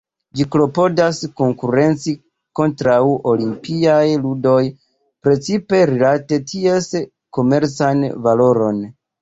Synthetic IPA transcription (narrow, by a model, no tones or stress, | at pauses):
d͡ʒiklo̞po̞dasko̞ŋkuɾe̞nt͡si | ko̞ntɾawo̞limpiajludo̞j | pɾe̞t͡sipe̞ɾilate̞tʰie̞s | ko̞me̞ɾt͡sanvalo̞ɾo̞n